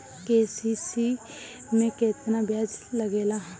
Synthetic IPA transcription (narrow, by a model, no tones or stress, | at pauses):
keːsisi | mẽkeːt̪nabjaːd͡ʒləɡeːla